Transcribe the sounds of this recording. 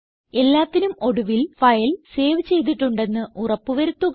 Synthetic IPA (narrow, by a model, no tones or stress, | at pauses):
e̞lːaːt̪ːinumo̞ɽuʋilfɐjɐlse̞ːʋɨt͡ɕe̞jt̪̬ːiʈːuɳɖe̞nːɨʔurɐpːɨʋɐɾut̪ːuɣ